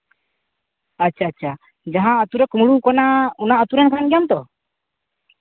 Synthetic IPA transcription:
at͡ʃat͡ʃa | d͡ʒaɦaːt̪uɾɛkumulukɔnaunaːt̪uɾankaanɡiamt̪ɔ

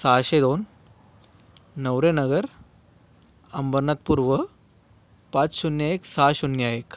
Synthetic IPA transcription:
saːɕed̪on | əʋɾenɐɡəɾ | ɐmbəɾnat̪̚puɾʋə | pat͡sɕunjaeksaɕunjajek

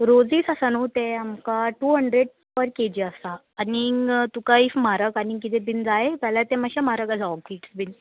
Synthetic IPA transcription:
ɾod͡ziːsasanut̪eamkaʈuɦəɳɖɾeɽ | pəɾked͡ʑiəsaːnit̪ukaifmaɾəkanikit̪ẽbind͡zaet̪alat̪ɛmaɕamaɾəkad͡zaɔkiʈsbin

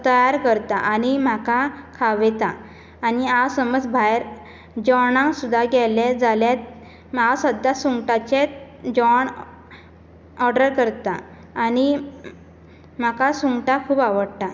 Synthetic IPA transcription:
t̪əjaɾkəɾt̪aʔañim̤akakʰaʋɛt̪aː | niawsəməd͡zbʱajɾ | d͡ʑɔɳãŋsud̪ʱaɡɛled͡zaljet̪ | maasəd̪ːasuŋɡʈat͡ɕe | d͡ʑɔɳ | ɔɾɖəɾkəɾt̪aː | ni | m̤akasuŋʈakʰuːbaʋəɽt̪a

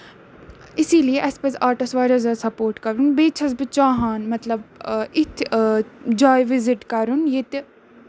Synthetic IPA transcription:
ɪsiːlieʔɐspɐzaːʈɐsʋaːɾɐzɐsɐpoːɾʈkɐɾunbeːt͡ʃʰɐzbɨt͡ʃaːɦaːnmɐt̪lɐbɪt̪ʰ | d͡ʒaːjʋɪzɪʈkɐɾunjet̪

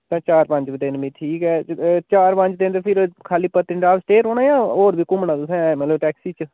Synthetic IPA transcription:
t̪ãːt͡ʃaːɾpə̃ɲt͡ʃd̪ɪnbĩːʈʰiːkɛːt͡ʃaːɾpə̃ɲt͡ʃd̪ɪ̃nt̪epʰɪɾkʰaːliːpət̪ːɪɳɖaːʋsʈeːɾoːnaːjãːoːɾbiːkʊmnaːd̪sɛ̃ːmət̪ləbʈɛːksiːt͡ʃ

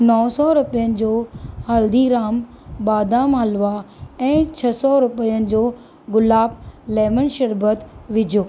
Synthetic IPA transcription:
nɔːsɔɾʊpijənɪ̆d͡ʑoːhɐld̪iɾaːm | baːd̪aːmɦɐlʋaɛ̃ːt͡ɕʰɐsɔɾʊpəjənɪ̆d͡ʑoː | ɡʊlaːblɛːmənʃɐɾbət̪ʋɪd͡ʑʱjoː

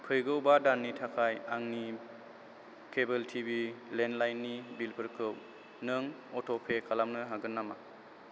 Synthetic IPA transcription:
pʰɯjɡɯwbadanːitʰakʰajaŋni | kʰebeltʰibilenlajnːibilpʰɯɾkʰɯw | nɯŋ | ɔtʰɔpʰekʰalamnɯɦaɡɯnːama

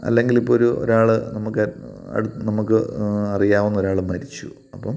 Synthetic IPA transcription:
ɐ̰lːe̞ŋɡilipːoːɾuo̰ɾaːɭɨnɐmukːɐɐ̰ɽunɐmukːɨɐrijaːʋunːɐo̞ɾaːɭɨmɐɾit͡ɕːu | ɐpːɐm

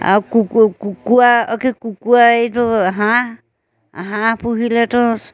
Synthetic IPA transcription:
a̰kukukuaɔkekukuaetɔɦã | ɦãpuɦiletɔs

